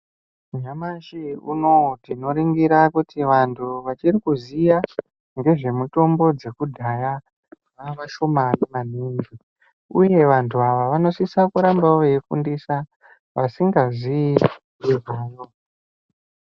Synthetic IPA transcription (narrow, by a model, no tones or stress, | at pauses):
ɲamaʃiṵno̞tino̞ɾiŋɡiɾakutiʋantʰuʋat͡ʃirikuzija | ŋɡe̞ʐe̞muto̞mbo̞d͡ze̞kudʱaja | ʋamaʃo̞maneman̤iːŋɡi | uje̞ʋantʰuaʋaʋano̞sisakuɾambaʋeikṵndisa | ʋasiŋɡazii | jezaːjo̞